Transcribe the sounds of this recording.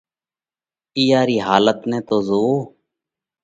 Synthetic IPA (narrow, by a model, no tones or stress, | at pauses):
iːaːɾiːɦaːlət̪nɛ̃ːt̪oːzoː